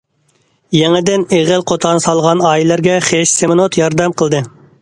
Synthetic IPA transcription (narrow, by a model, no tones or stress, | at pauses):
jɛŋɪd̪ɪneʁɪlˠqʰot̪ʰɑnsɑlˠʁɑnɑːjilˠæɾɡʲɛχeʃsemɨnot̪jɑɾd̪ɛmqʰəlˠd̪ɨ